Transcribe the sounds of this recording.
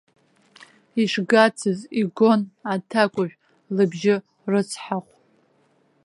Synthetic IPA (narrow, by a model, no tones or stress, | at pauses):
iʂɡat͡sʰɨziɡo̞natʰakʷʼʊʒᶣʷ | lɨbʒɪ | rɨt͡sʰħaχʷ